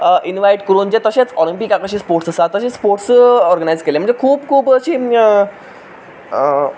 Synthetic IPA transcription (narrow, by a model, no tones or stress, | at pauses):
əʔinʋajʈkəɾund͡ʑet̪əɕet͡sɔlimpikakəɕiːspoɾʈsəsat̪ːəɕespoɾʈsɔɾɡənajd͡zkelẽm̤əɳd͡zekʰuːbkʰuːbəɕiː